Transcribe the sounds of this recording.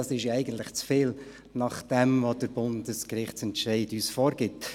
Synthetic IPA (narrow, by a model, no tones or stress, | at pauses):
ɑsɪʃɛɪɡən̩tləχt͡sfeːl | nɑχd̥ɛmvod̥əɾb̥ʊndəskɾɪχt͡sɛntʃɛɪdyːsfoːɾɡ̥ɪt